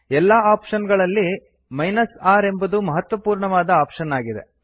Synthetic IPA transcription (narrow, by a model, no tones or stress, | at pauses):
ɛlːaːaːpʂɐnɡɐɭɐlːi | mɐjnɐsaːɾembɐd̪umɐɦɐt̪ʋɐpuːɾɳɐʋaːd̪ɐaːpʂɐnaːɡid̪e̞̰